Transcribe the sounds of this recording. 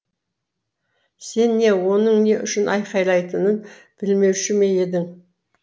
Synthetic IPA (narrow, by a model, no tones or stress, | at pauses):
se̞nːe̞wo̞nəɴne̞ʔʏʃɪnʔɑjqɑjlˠɑjt̪ənən | b̥ɪlme̞wʃɪme̞je̞d̪ɪŋ